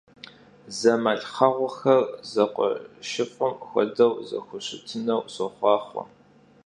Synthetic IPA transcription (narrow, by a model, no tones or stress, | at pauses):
zɐmaɬχɐʁʷʊxɐrzɐqʷʼɔ̰ʃɪfʷʼʊmxʷɔ̰dɐwzɐ̰xʷʊɕɪtʰɨnɐwsɔχʷɑːχʷɔ̰